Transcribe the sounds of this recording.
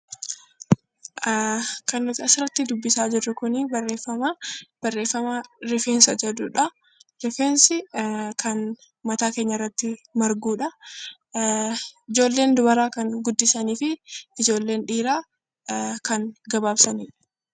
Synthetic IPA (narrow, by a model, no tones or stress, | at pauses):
kɐnːʊt̪ɪɐsɪrːɐt̪ːɪd̪ʊbːɪsaːd͡ʒɪrːɐkʊnibɐrːeːfɐmab̥ɐrːeːfːɐmaɾɛfeːnsɐd͡ʒɐd̪uːᶑɐ | ɾɛfeːnsɪkɐn | mɐt̪aːkeːɲːɐɪrːɐt̪ːɪmɐɾɡuːᶑɐ | ɪd͡ʒo̞ːlːe̞ːnd̪ʊbɐɾaːkɐŋɡʊd̪ːɪsɐniːfɪɪd͡ʒo̞ːlːe̞ːnᶑiːɾaː | kɐnɡɐbaːbsɐniːᶑɐ̥